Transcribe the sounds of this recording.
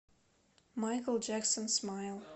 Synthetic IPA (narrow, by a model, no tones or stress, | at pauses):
maɪkl̩ˠd͡ʒæksə̃nsmaɪlˠ